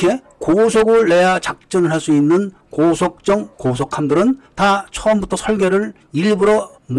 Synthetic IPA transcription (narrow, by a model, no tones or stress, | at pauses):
kʰe̞ | kosʰoɡɯɭːe̞jat͡ɕak̚t͡ɕ͈ʌnɯɭɦaɭs͈uinːɯn | kosʰʌk̚t͡ɕ͈ʌŋkosʰokʰamdɯɾɯntat͡ɕʰʌʌmbutʰʌsʰʌɭɡeɾɯɭ | iɭbuɾʌ | m